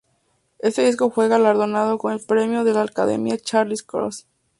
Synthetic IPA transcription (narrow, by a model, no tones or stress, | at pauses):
e̞st̪eðisko̞xwe̞ɣalaɾðo̞nað̞o̞ko̞nelpɾe̞mjoðe̞laːlkaðe̞̰mjat͡ʃaɾliskɾo̰s